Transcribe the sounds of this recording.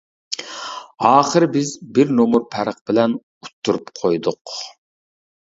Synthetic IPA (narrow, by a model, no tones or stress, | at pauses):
ɑːχəɾbɪzbɪɾnomuɾpʰæɾəq̚bɪlɛn | ut̪ʰːuɾupqʰojd̪ʊq